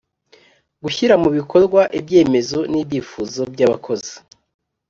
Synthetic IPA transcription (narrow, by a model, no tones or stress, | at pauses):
ɡuçiɾamuβikʰo̞ɾɡwaʔibje̞ːme̞zo̞nibjiːfuːzo̞bjaβa̰kʰo̞zi